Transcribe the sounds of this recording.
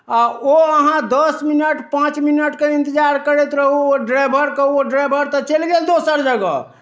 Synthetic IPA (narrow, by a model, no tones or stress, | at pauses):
aoəɦãd̪əsminəʈpãt͡ʃminəʈkeĩnt̪əd͡ʒaɾkəɾet̪ɾəɦuoɖɾabʱəɾkəɦuoɖɾajbʱəɾt̪ɔt͡ʃelɡeld̪osəɾd͡ʒəɡə̰